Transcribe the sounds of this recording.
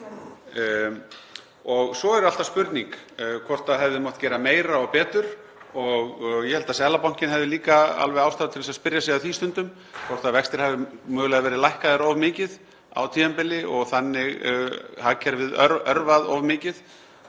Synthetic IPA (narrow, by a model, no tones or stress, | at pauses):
ɔɣsɔɛɾʏal̥t̪aspʏɾt̪niŋkːkʰvɔr̥t̪aðɦɛvðɪmɔht̪cɛːɾameːjɾaɔɣpɛːt̪ʏɾ̥ | ɔɣjɛhɛlt̪asɛːlapawn̥cɪnhɛvðɪliːkaa̰lvɛjaːwst̪aːðt̪ʰɪlɛsaspɪɾjasɛɣaθiːst̪ʏnt̪ʏm | kʰɔr̥t̪aðvɛkst̪ɪɾ̥havðɪmœːɣlaɣðavɛːɾɪlajhkaðɛɾɔvmɪːcɪð | a̰wt̪ʰiːɛmpɪlɪɔɣθanːɪɣhacʰɛɾvɪðœœɾvaðɔvmɪːcɪð